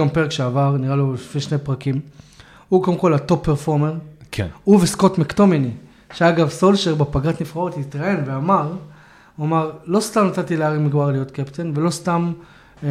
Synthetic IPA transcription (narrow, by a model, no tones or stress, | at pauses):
ampe̞ʁekʃeavaʁniʁaloʃfiʃne̞pʁakim | ukodemko̞lat̪o̞pːeʁfo̞ʁmeʁ̰uvesko̞tmakt̪o̞mini | ʃeaɡavso̞lʃeʁbepaɡat̪nifχao̞t̪hit̪ʁae̞nveamaʁ | amaʁlo̞st̪amnat̪at̪ileaʁimiɡbaʁlijo̞t̪kept̪envelo̞st̪am